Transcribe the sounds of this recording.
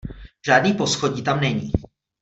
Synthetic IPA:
ʒ̥aːdniːposxoɟiːt̪amnɛɲiː

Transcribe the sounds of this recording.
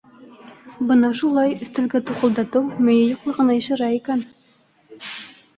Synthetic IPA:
bɤnɑʃulˠɑjɵ̆θt̪ɘ̆lɡæt̪uqɤ̆lˠd̪ɑt̪ɤwmɵ̆jɘjuqlˠɤ̆ʁɤ̆nɑĭʃɘ̆ɾæikæn

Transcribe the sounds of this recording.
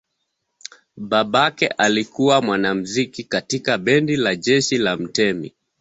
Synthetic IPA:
ɓaɓakɛ̰ʔalikuwamwanam̩zikikatikaɓɛndilaʄɛʃilam̩tɛmḭ

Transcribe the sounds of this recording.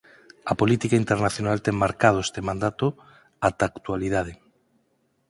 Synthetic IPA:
apolit̪ikaint̪eɾnaθjonalt̪ɛŋmaɾkað̞oest̪emãnd̪at̪o | at̪akt̪ualiðaðe

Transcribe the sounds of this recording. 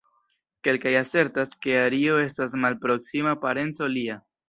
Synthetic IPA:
ke̞lkajase̞ɾtaske̞aɾio̞e̞stasmalpɾo̞ksimapaɾe̞nt͡so̞lia

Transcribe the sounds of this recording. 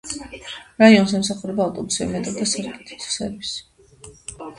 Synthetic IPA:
ɾaiɔns̬ɛms̬aχuɾɛbaːvt̪ʼɔbusiɛ̰mɛt̪ʼɔd̪asaɾkʼit̪ʰi̥t̪sɛ̰ɾvisi̥

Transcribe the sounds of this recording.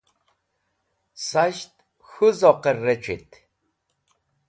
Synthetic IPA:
saʃt̪ | xuzɔqɛrːɛt͡ʃʰʼḭt̪ʰ

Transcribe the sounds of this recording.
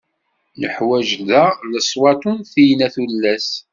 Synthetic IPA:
nəħwæʒðæləsˤwɑt̪ˤunθijnæθulːæs

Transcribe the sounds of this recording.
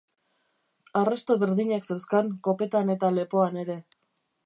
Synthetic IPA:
arast̪o̞βe̞ɾðiɲaksewskaŋko̞pe̞t̪ane̞t̪ale̞po̞ane̞ɾe̞

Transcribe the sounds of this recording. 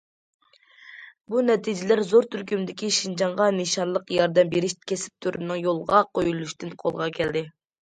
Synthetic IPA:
bunɛt̪ʰid͡ʒɪlæɾzoɾt̪ʰyɾkʲymd̪ɪkʲiʃind͡ʒɑɴʁɑneʃɑɾlˠəqjɑɾd̪ɛmbeɾɪʃkʲʰesɪ̥p̚t̪ʰyɾɨnːɨŋjolˠʁɑqojulˠuʃt̪ɨnqʰo̰lˠʁɑkʲʰɛld̪ɪ

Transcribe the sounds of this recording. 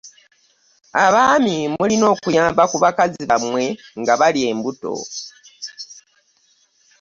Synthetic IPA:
aβaːmimulino̞ːkujaːmbakuβakaziβamwe̞ŋɡaβalie̞ːmbuto̞̰

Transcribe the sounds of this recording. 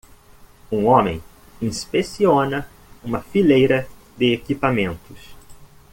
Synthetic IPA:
ũõmḛ̃j̃ | ĩspesiõnɐ | ũmɐfilejɾɐ | d̪ɪekipamẽnt̪ʊs

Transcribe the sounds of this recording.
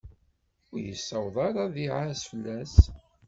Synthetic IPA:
ʊɾjə̰sːəwðˤɑɾˤɑðiʕasfəlːæs

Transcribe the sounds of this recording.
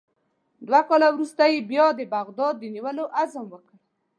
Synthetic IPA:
d̪wakɑlawɾust̪ajebjɑd̪əbaɣd̪ɑd̪ːəniwəloʔazəmwəkəɽ

